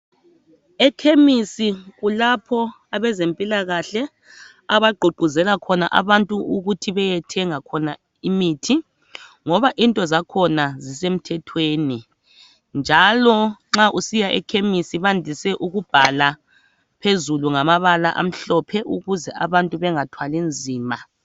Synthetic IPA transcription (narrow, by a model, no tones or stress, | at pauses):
ɛkʰemisiɣulapʰɔ | aβɛzempʼilaɣaɬɛ | aβaɡ͡ǃʱuɡ͡ǃʱuzɛlakʰɔna̰ʔa̰βantʼuuɣutʰiβɛjɛtʰɛŋakʰɔna | imitʰi | ŋɔβaʔintʼɔzakʰɔnazisem̩tʰɛtʰweːni | nd͡ʒʱalɔŋ͡ǁaʔusijaʔɛ̰kʰemisiβandʱisɛʔuɣub̥ʱala | pʰezuluŋamaβalaʔa̰m̩ɬɔpʰɛʔuɣuzɛaβantʼuβɛŋatʰwalind͡zʱiːma